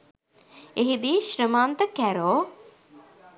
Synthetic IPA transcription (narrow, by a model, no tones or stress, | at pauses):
eɦid̪iːʃɾəmaːnt̪əkæɾoː